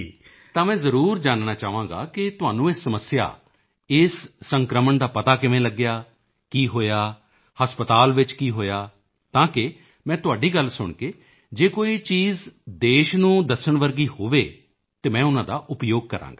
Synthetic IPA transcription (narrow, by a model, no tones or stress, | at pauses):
iː | t̪ãːmɛ̃ːzəɾuːɾd͡ʒaːnnaːt͡ʃaːʋãːɡa̰ːkɪt̪ʊɦaːnũːɪːsːəməsɪja̰ː | ɪsːəŋkɾəməɳd̪aːpət̪aːkɪʋẽːləɡːɪjaː | kiːɦoːjaː | həspət̪aːlʋɪt͡ʃkiːɦoːjaː | t̪ãːkɪ | mɛ̃ːt̪ʊaːɖiːɡəlsʊɳkeː | d͡ʒeːkoːiːt͡ʃiːzd̪eːʃnũːd̪əsəɳʋəɾɡiːhoːʋeː | t̪eːmɛ̃ːʊnãːd̪a̰ːʔʊpjoːɡ̚kəɾʔã̰ːŋɡaː